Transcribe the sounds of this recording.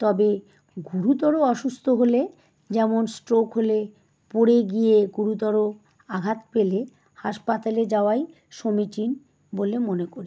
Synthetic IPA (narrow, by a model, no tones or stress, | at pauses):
t̪ɔbe | ɡuɾut̪ɔɾoɔʃust̪ʰoɦole | d͡ʑɛmonsʈɾokɦole | poɽeɡijeɡuɾut̪̬ɔɾo | aɡʱat̪pele | haʃpat̪aled͡ʑaoaj | ʃomit͡ɕin | bolemonekoɾi